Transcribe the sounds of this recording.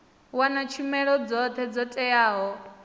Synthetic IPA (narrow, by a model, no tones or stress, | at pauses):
wanat͡ʃʰumɛɺɔd͡zɔt̪ʰɛd͡zɔtʼɛjaːɦɔ